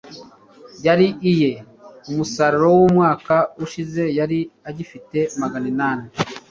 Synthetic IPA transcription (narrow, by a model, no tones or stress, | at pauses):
jaɾiʔije̞ | umusaɾoɾo̞wumŋaːkauʃize̞jaɾiaɟifite̞maɡaninaːne